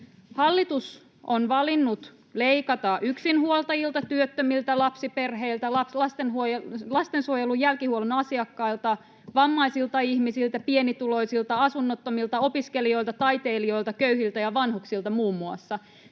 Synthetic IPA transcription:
hɑlːit̪us | onʋɑlinːut̪ | leikɑt̪ɑʔyksinhuolt̪ɑjilt̪ɑt̪yøt̪ːømilt̪ælɑpsipe̞rɦeilt̪ælɑlɑst̪enɦuojlɑst̪ensuojelujælkihuolunɑsiɑkːɑilt̪ɑ | ʋɑmːɑisilt̪ɑiçmisilt̪æpienit̪ulo̞isilt̪ɑɑsunːot̪ːomilt̪ɑo̞piskelio̞ilt̪ɑt̪ɑjt̪e̞ːlio̞lt̪ɑkøyhilt̪æjɑʋɑnhuksilt̪ɑmuːmːuɑsːɑ

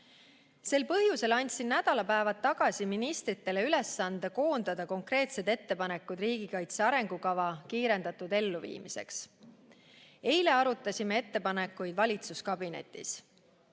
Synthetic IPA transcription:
se̞lpɤɦjuse̞lɑnʲt̪ʲsinːæd̪̥ɑlɑpæevɑt̪ːɑɡ̥ɑsʲiminist̪ɾit̪ːe̞le̞yle̞sːɑnd̪̥eko̞ːnd̪̥ɑd̪̥ɑko̞ŋkre̞ːt̪se̞d̪e̞t̪ːe̞pɑne̞kːˑud̪̥riːɡ̥ikɑjt̪se̞ɑɾe̞ŋɡ̥ukɑvɑkiːɾe̞nd̪̥ɑt̪ːˑud̪̥e̞lːuvḭːmise̞̰ks | e̞jle̞ɑɾut̪ːˑɑsʲime̞e̞t̪ːe̞pɑnekːˑujd̪̥vɑlʲit̪suskɑbine̞̰t̪ːˑḭs

